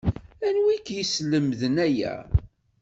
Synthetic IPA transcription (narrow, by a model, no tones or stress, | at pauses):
ænwikjəsləmðənæjæ̰